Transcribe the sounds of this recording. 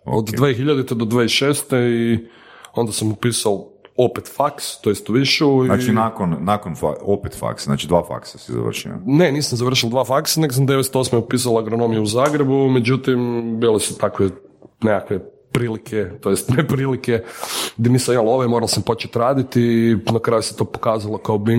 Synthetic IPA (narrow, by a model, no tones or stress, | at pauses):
o̰od̪d̪ʋexiʎad̪it̪ed̪od̪ʋaeiʃeːst̪ei | o̞nd̪asamupiːsalo̞pet̪fakst̪o̞jest̪uʋiʃuinat͡ʃinakonːakonfaopet̪fa̰kszna̰ːt͡ʃid̪ʋaːfa̰ksasiza̰r̩ʃḭa̰ne̞niːsamzaʋr̩ʃ̬ild̪ʋaːfaksane̞ɡosamd̪e̞ʋest̪o̞ːsmeupiːs̬alaɡɾono̞mijuuzaːɡɾe̞bumed͡ʒut̪imbilesu̥t̪akʋenekakʋe | pɾiːlikʰet̪o̞jest̪nepɾiliked̪eniːsaimalo̞ʋemoɾalsampo̞t͡ʃet̪ɾaːd̪it̪inakɾaːjuset̪o̞pokaːzalˠokaobi